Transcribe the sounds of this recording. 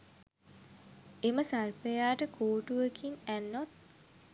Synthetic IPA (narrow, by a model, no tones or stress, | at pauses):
eməsarpejaːʈəkʰoːʈuʋekinænːot̪̚